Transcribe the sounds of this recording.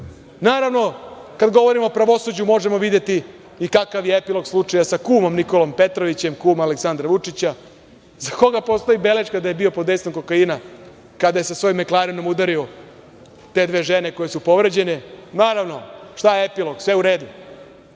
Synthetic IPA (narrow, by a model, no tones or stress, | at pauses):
naːɾaʋno̞kad̪ɡo̞ʋo̞ɾimo̞opɾaʋo̞sud͡ʑumo̞ʐe̞mo̞ʋid̪je̞t̪i | ikakaʋjeepilo̞ɡslˠut͡ʂajasakuːmo̞mniko̞lo̞mpe̞t̪ɾoʋit͡ɕe̞mkuːmaleksand̪ɾaʋut͡ʂit͡ɕa | zako̞ɡapost̪o̞ibe̞let͡ʃkad̪ajebiopod̪e̞jsomko̞kaina | kad̪ajesasʋo̞jimːeklˠaːɾinomud̪aɾio | t̪e̞d̪ʋe̞ːʒene̞ko̞je̞supo̞ʋɾed͡ʑe̞nenaːɾaʋno̞ʂt̪ajeepilo̞ɡsʋe̞uɾeːd̪u